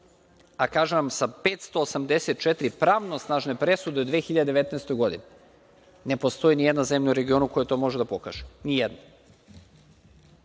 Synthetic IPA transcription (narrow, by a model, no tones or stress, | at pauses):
akaːʒeʋamsapeːt̪st̪oːsamd̪eset̪̚t͡ʃet̪ɾipɾaːʋnosnaːʒne̞pɾesud̪eod̪ʋexiʎad̪ed̪eet̪nɛːst̪ojɡo̞d̪ine | ne̞po̞st̪o̞jinijed̪nazemʎauɾe̞ɡio̞nukojet̪o̞ːmo̞ʒed̪apo̞kaʒ̥e̥nijed̪na